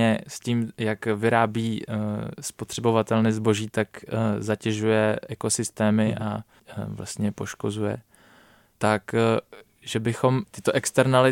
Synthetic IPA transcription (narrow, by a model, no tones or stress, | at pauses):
ɛsciːmjakvɪɾaːbiːspo̞t̪r̥ɛbo̞vat̪ɛlnɛzbo̞ʒiːt̪akzacɛʒujɛʔɛko̞sɪst̪ɛːmɪʔa̰ | vla̰st̪ɲɛpo̞ʃko̞zujɛ̰ | t̪ak | ʒɛbɪxo̞mt̪ɪt̪o̞ʔɛkst̪ɛɾnalɪ